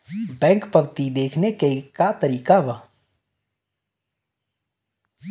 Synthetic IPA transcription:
bɛ̃ːŋkpəbt̪id̪eːkʰnekekat̪əɾiːkabə

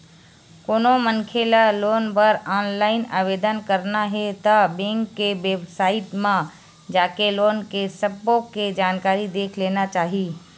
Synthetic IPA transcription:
koːnomənkʰelaloːnpəɾaːnlaːɪnaːʋeːd̪ənkəɾnaɦet̪abẽːŋkːeʋeːbsaːɪʈmã | d͡ʒaːkeloːnkesəbokːed͡ʒaːnkaːɾid̪eːkʰleːnat͡ʃaːɦiː

